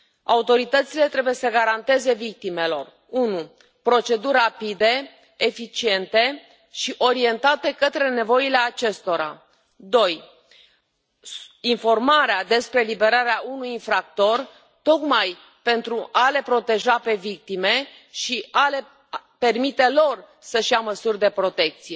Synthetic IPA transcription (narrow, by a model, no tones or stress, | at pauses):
a̰ut̪o̞ɾit̪ət̪sile̞t̪ɾe̞buje̞səɡaɾant̪e̞ze̞vik̚t̪ime̞lo̞r | unu | pɾo̞t͡ʃe̞d̪urʲːapid̪e̞ | efit͡ʃie̞nt̪e̞ | ʃiʔo̞ɾie̞nt̪at̪e̞kət̪ɾe̞ne̞vo̞ile̞at͡ʃe̞st̪o̞ɾa̰ | d̪o̞j | info̞rmaɾead̪e̞spɾelibe̞ɾaɾeaʔunujinfɾak̚t̪o̞r | t̪o̞kmaj | pe̞nt̪ɾuʔale̞pɾo̞t̪e̞ʒape̞vik̚t̪ime̞ | ʃiale̞ | pe̞rmit̪e̞lo̞r | səʃiaməsurʲd̪e̞pɾo̞t̪e̞k̚t̪sije̞